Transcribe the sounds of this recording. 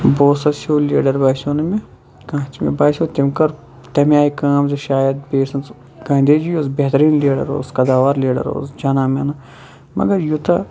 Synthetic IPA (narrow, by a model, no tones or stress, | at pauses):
boːsɐsʰoːlḛːɖɐɾbaːsoːnemẽ | kãːt͡ʃmḛbaːsoːt̪emkɐɾ | t̪ɐmjaːikãːmzeʃaːjɐd̪̚beːsɐnt͡s | ɡãːnd̪eːd͡ʒijoːzbeɦt̪ɾiːnleːɖɐ̰ɾo̰ːskɐd̪aːʋaːɾleːɖɐ̰ɾo̰ːzd͡ʒaːnaːmena | mɐ̰ɡɐɾjut̪a